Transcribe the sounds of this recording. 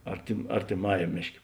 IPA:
ɐrʲtʲɪm ɐrʲtʲɪˈmɑːjɛm ˈmʲeːʃʲˌkʲeː

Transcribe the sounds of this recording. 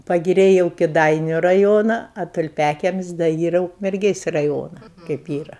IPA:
pɐɡʲɪˈrʲɛɪ jɛʊ kʲɪˈdɐɪnʲʊ rɐˈjoːnɐ oː tʊlʲˈpʲæːkʲiɛmʲɪsʲ dɐ ˈiːrɐ ʊkmʲɛrʲˈɡʲeːsʲ rɐˈjoːnɐ kɐɪp ˈiːrɐ

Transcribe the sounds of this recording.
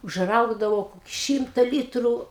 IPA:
ʊʒˈrɐʊɡdɐʋɐʊ ˈʃʲiːmtɐ ˈlʲiːtruː

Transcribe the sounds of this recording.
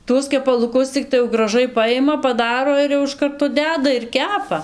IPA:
ˈtuɔs kʲɛpɐlˠʊˈkʊs t͡sʲɪkˈtɐɪ jɛʊ ɡrɐˈʒɐɪ pɐˈjɪmɐ pɐˈdɑːroː ɪr jɛʊ ɪʃ ˈkɐrtoː ˈdʲæːdɐ ɪr ˈkʲæːpɐ

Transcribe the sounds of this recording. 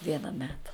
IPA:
ˈʋʲiɛnɐ ˈmʲæːtɐ

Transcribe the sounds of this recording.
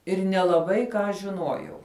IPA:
ɪr nʲɛlˠɐˈbɐɪ kɑː ʒʲɪˈnuɔjɛʊ

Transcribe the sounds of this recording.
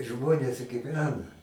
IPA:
ˈʒmoːnʲeːs ɡʲɪˈʋʲæːnɐ

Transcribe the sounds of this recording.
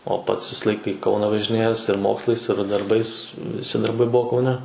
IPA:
oː ˈpɐts ˈʋʲɪsɐ ˈlˠɐɪkɐ ɪ ˈkɐʊnɐ ʋɐʒʲɪˈnʲeːjɛs ɪr ˈmoːkslˠɐɪs ɪr dɐrˈbɐɪs ʋʲɪˈsʲɪ dɐrˈbɐɪ ˈbuɔ kɐʊˈnʲɛ

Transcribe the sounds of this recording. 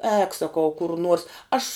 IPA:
ɛːk sɐˈkɐʊ kʊr nuɔrs ˈɐʃ

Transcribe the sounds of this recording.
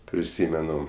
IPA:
pʲrʲɪˈsʲiːmʲɛnʊ

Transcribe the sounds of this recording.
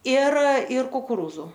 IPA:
ɪr ɪr kʊkʊˈruːzʊ

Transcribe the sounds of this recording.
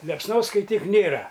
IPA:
lʲiɛpsˈnoːs skɐɪˈtʲiːk ˈnʲeːrɐ

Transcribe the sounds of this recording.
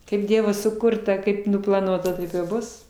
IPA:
kɐɪp ˈdʲiɛʋoː sʊˈkʊrtɐ ˈkɐɪp nʊplˠɐˈnuɔtɐ ˈtɐɪp ɪr ˈbʊs

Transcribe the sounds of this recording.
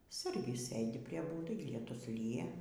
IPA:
ˈsɐrʲɡʲɪs ˈsɘdʲɪ pʲrʲiɛ ˈbuːdɐɪ lʲiɛˈtʊs ˈlʲiːjɛ

